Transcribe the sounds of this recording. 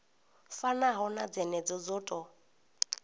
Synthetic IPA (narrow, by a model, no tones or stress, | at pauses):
fanaɦɔnad͡zɛnɛd͡zɔd͡zɔːtʼɔ